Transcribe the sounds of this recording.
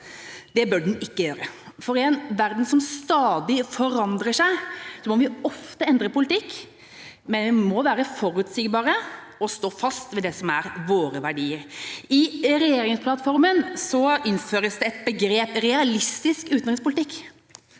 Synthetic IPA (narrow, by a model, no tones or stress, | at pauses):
d̪̥ɛbœɖn̩ɪkːəjøːɾə | fɔɾɪɛnʋæɾd̪n̩sɔmst̪ɑːd̪ɪfɔɾɑnd̪ɾəʂæɪsɔmɔʋɪɔft̪əɛnd̪ɾəpʊlɪt̪ʰɪkː | mɛnʋɪmɔʋæːɾəfɔɾʉt̪sɪɡbɑːɾəɔst̪oːfɑst̪ʋɛd̪ɛsɔmæɾʋoːɾəʋæɖiːəɾɪɾɛjeːɾɪŋspʰlɑt̪fɔɾmənsɔɪnføːɾəsd̪ɛɛt̪̚bəɡɾeːpɾɛɑlɪst̪ɪskʉːt̪nʁɪŋspʊlɪt̪ɪkː